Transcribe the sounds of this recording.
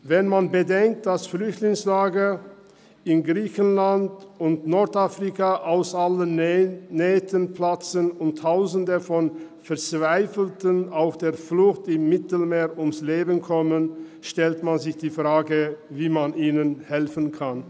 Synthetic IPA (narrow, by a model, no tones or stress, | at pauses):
vɛnmanbədɛŋk̚t̚d̥asflʏçtlɪŋslaːɡə | ɪnɡʁiːçənlandʊntnɔɐtafʁikaʔaʊsʔalənː | ɛːtʰənpʰlat͡sənʊntʰːaʊzən̩dəfɔn | fɛɐt͡sv̥aɪfl̩tənaʊxd̥eːɐflʊxtɪmːɪtl̩meːɐʔʊmsleːbənkʰɔmənʃtɛltmanzɪçd̥iːfʁ̥aːɡəviːmanʔiːnənhɛlfənkʰan